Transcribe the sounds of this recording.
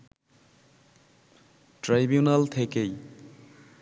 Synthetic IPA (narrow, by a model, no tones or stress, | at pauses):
ʈɾajbijunalt̪ʰekej